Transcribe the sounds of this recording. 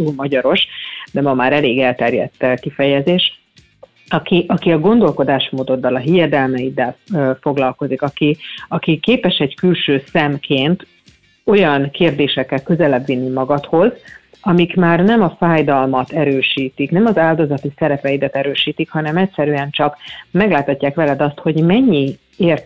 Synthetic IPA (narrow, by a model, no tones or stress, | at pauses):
uːlmɒɟɒɾo̞ʃd̪ɛmɒmaːɾɛleːɡɛlt̪ɛrjɛ̰t̪ːɛkifɛjɛzeːʃ | ɒkiʔɒkiɒɡo̞nd̪o̞lko̞d̪aːʃmoːd̪o̞d̪ːɒlɒɦijɛd̪ɛlmɛid̪ɛlːfo̞ɡlɒlko̞zikɒkiɒkikeːpɛʃɛɟkylʃøːsɛmkʰeːnt̪ | o̞jɒnkeːrd̪eːʃɛkːɛlkø̞zɛlɛbʋinːimɒɡɒt̪ho̞z | ɒmikmaːrnɛmɒfaːjd̪ɒlmɒt̪ɛɾøːʃiːt̪iknɛmɒzaːld̪o̞zɒt̪isɛɾɛpɛjid̪ɛt̪ɛɾøːʃiːt̪ikhɒnɛmɛcsɛɾyɛnt͡ʃɒkmɛɡlaːt̪hɒcːaːkʋɛlɛd̪ɒst̪ho̞ɟmɛɲːi | eːr